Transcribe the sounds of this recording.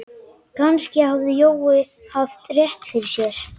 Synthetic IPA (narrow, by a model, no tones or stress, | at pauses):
kʰanscɪhavðɪjowɪ | havt̪ʼːɾjɛht̪fɪɾɪsjɛɾ̥